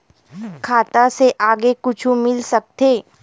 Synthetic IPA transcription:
kʰaːt̪aseʔaːɡekʊt͡ʃʰũmɪlsɐk̚t̪eː

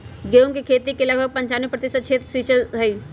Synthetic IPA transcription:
ɡeːõkikʰeːt̪ikelɐɡbʱəɡ̚pɐ̃ɲt͡ʃaːnepɾɐt̪ɪsəd̪̚kʰt͡ʃʰeːt̪ɾəsiːt͡ʃəlɦɐiː

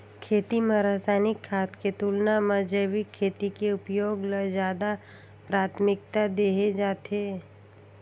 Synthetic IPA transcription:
kʰeːt̪imɐ̃ɾaːsaːnɪkʰːaːt̪ket̪uːlnamɐd͡ʒəʋikʰːeːt̪ikeʊpjoːɡləzjaːd̪a | pɾaːt̪ʰmɪk̚t̪ad̪eːɦed͡ʒaːt̪eː

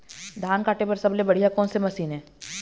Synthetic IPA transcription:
d̪ʱaːnkaːʈepɐɾsɐblebɐɽ̤ijakɔːnsemɐsiːnɦɛ̃ː

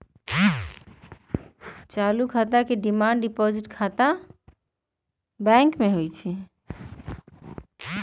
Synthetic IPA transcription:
t͡ʃalukʰat̪akeɖimaɳɖipɔd͡ʒiʈkʰat̪a | bɛ̃ŋkmeɦojt͡ʃʰɛ

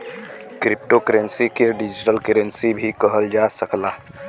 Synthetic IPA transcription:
kɾɪp̚ʈokəɾə̃nsikeɖɪd͡ʒɪʈəlkəɾə̃nsibʱikəɦəld͡ʒaːsəklaː

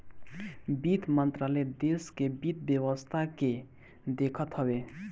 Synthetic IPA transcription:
bit̪mənt̪ɾalɛd̪eskebit̪̚bjəwəst̪ʰake | d̪ekʰət̪ɦəbe

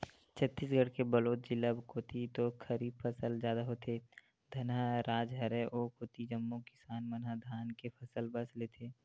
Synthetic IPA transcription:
t͡ʃʰət̪ːiːs̬ɡʱəɽkebəloːt̪̚d͡ʒɪləbkoːt̪it̪okʰəɾiːbfʰəsəlzjaːd̪aɦot̪ʰeː | d̪ʱɐnəɾaːd͡ʒɦɐɾeʔoːkoːt̪id͡ʒəmːokɪ̥saːnmənɦəd̪ʱaːnkepʰɐsəlbəsleːt̪ʰeː

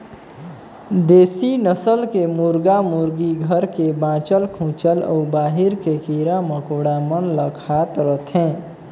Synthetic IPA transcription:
d̪eːsinəsəlkemʊɾɡamʊɾɡiɡʱəɾkebãːt͡ʃəlkʰũːt͡ʃəlɔ̰ːbaːɦɪɾkekiːɾaməkoːɽamənləkʰaːt̪ɾət̪ʰɦɛ̃ː

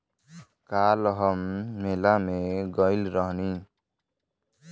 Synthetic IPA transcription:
kalɦʌmːelameɡʌjlɾʌɦni

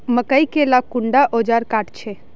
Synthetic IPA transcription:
məkəikelakʊɳɖaʔod͡ʒaɾkaʈt͡ʃʰe

